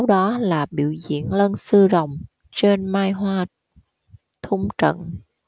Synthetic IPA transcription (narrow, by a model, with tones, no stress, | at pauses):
a˨˦wɗɔ˨˦laː˨˩ɓḭ˧˨əwzḭ˧˨ənlə˧nsɨ˧zə˨˩wŋ͡m | t͡ɕe˧nmaː˧jɦwaː˧ | t̪ʰʊ˧ŋ͡mt͡ɕə̰˧˨n